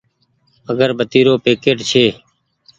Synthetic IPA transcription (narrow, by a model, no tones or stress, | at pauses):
əɡəɾbət̪iːɾoːpeːkeːʈt͡ʃʰeː